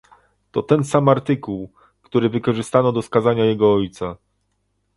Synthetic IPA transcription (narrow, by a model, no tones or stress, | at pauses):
t̪ɔt̪ɛnsamaɾt̪ɘkuw | kt̪uɾɘvɘkɔʐɘst̪anɔd̪ɔskazaɲajɛɡɔɔjt̪sa